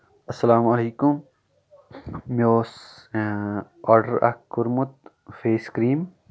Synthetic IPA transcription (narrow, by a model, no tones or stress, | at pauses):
ɐsːɐlaːmɐleːkʊm | moːs | aːɾɖəɾa̰kːʊɾmʊt̪ | feːskɾiːm